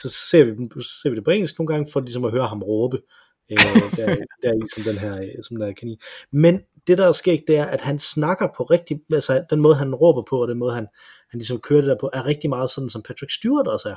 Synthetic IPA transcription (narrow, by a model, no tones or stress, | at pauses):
sɒ̽se̝̰ɐ̰ʋise̝ɐ̰ʋid̥epʰɒḛŋnisɡ̥no̝ːnɡ̥ɑ̈ŋəfɒ̽lisɒ̽mɒɦøːɐɦɑ̈mʁɔːb̥ə | elɐdæɐd̥æɐisɒ̽md̥enɦæɐ̰sɒmd̥enhæɐkʰenḭːmen | d̥e̝d̥ɑ̈sɡ̥e̝ɐ̰d̥̚d̥e̝æɐʔæd̥hænsnɑ̈ɡ̥ɐpʰɒ̽ʁeɡ̥̚d̥iælsəd̥enmɔːðˠɦænʁɔ̰ːb̥ɐpʰɒ̽ɒd̥enmɔ̽ːð̞̩ˠhæn | hænlisɒ̽mkʰøːɐd̥ed̥æɐpʰɒ̽ʔæɐʁeɡ̥̚d̥imɑ̈ːð̩ˠsɒ̽d̥n̩sɒ̽mpʰæt͡sʰʁiɡ̥sd̥uɐd̥ɒ̽sæɐ